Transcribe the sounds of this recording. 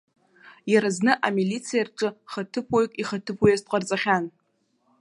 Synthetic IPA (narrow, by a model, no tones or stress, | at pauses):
jaɾaznɨʔamilit͡sʰijarʈ͡ʂʼɨχatʰɨpʰojkʼiχatʰɨpʰojastʼqʷʼart͡sʼaχʲan